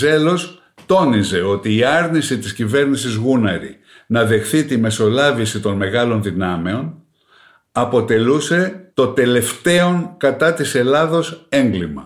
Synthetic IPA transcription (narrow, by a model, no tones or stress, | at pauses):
ze̞lo̞s | t̪o̞nize̞o̞t̪iːɐɾnisit̪iscive̞ɾnisizɣunɐɾi | nɐðe̞xθit̪ime̞so̞lɐvisit̪o̞nme̞ɣɐlo̞nðinɐme̞o̞n | ɐpo̞t̪e̞luse̞t̪o̞t̪e̞le̞ft̪e̞o̞ŋkɐt̪ɐt̪ise̞lɐðo̞se̞ŋɡlimɐ̰